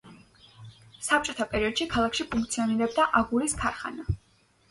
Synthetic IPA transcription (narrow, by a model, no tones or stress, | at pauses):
sap̚t͡ʃʼɔt̪ʰapʼɛɾiɔd̪̥ʃikʰalˠakʰʃipʰuŋkt̪sʰiɔniɾɛbd̪aʔaɡuɾiskʰaɾχa̰na